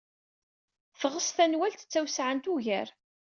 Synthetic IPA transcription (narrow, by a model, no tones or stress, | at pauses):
θʁəsθænwælt̪ə̥t͡sːæwsʕant̪uʝæɾ